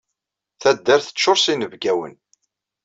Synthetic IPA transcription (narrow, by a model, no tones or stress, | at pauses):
θæd̪ːæɾθə̥t͡ʃːʊɾsinəvɡæwə̰n